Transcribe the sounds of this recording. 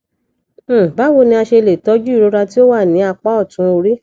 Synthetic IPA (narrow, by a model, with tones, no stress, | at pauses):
ba˨˦wo˦˨nĩ˧a˧ʃe˧le˨tɔ˨˦d͡ʒu˦i˦˨ɾo˨˧˦ɾa˧ti˦o˦wa˦˨nĩ˨˦a˧k͡pa˦ɔ˦˨tũ˨˧˦o˧ɾi˦